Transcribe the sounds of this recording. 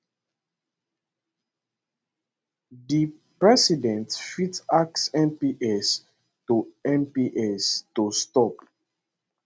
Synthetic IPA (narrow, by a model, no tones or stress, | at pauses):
di | pɹɛsidɛ̃ntfitak̚sɛ̃mpiʔɛs | tuɛ̃mpiʔɛstustɔp